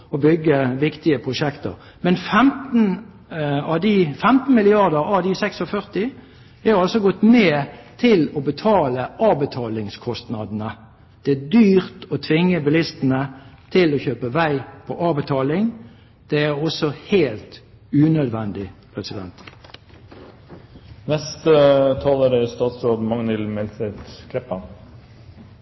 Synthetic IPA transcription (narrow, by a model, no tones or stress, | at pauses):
ɔbʏɡːəʋɪkt̪ɪəpʰʁʊʃɛkt̪ə̰ʁ | mɛnfɛmt̪n̩ | ɑd̪ifɛmt̪n̩mɪlɪɑʁd̪əʁɑd̪isɛksɔfœʁt̪ɪ | hæɑlsɔɡɔt̪ːmeːt̪ʰɪlɔbət̪ʰɑːləɑːbət̪ʰɑːlɪŋskʰɔst̪nɑd̪n̩ə | d̪̥ɛæd̪yːʁt̪ɔt̪ʰʋɪŋːəbɪlɪst̪ən̩ət̪ʰɪlɔçøːpəʋæɪpʰɔʔɑːbət̪ʰɑːlɪŋ | d̪̥ɛæʁɔsɔheːlt̪ | ʉːnœd̪ʋɛnd̪ɪpʰʁɛsɪd̪ɛnt̪ | nɛst̪ət̪ʰɑːloːɾəɪst̪ɑːt̪soːd̪mɑŋnɪlmɛlsɛt̪kʰlɛpːɑn